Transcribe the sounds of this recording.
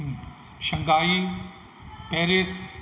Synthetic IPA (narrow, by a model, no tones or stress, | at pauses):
ʃɐ̃ŋɡaːi | pɛːɾes